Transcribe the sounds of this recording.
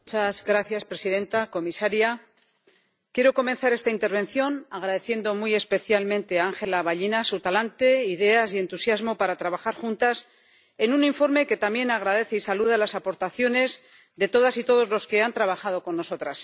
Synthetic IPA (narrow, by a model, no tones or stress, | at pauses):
ut͡ʃazɣɾaθjaspɾe̞siðe̞nt̪ako̞misaɾja | kje̞ɾo̞ko̞mẽ̞nθaɾe̞st̪aint̪eɾβ̞e̞nθjo̞naɣɾaðe̞θje̞nd̪o̞muje̞spe̞θjalmẽ̞nt̪e̞aaŋxe̞laβaʎinasut̪alant̪e̞iðe̞asie̞nt̪usjazmo̞paɾat̪ɾaβaxaɾxunt̪as | e̞nuniɱfo̞ɾme̞ke̞t̪amje̞naɣ̞ɾaðe̞θeisaluð̞alasapo̞ɾt̪aθjo̞ne̞z | ðe̞t̪o̞ð̞asit̪o̞ð̞o̞zlo̞ske̞ant̪ɾaβaxað̞o̞ko̞nːo̞so̞t̪ɾas